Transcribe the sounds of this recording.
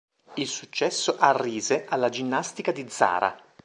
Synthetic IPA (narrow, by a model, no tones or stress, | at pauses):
ilsut͡ʃːɛsːoʔarːiːzeʔalːad͡ʒinːast̪ikad̪id̪zːa̰ːɾʔa̰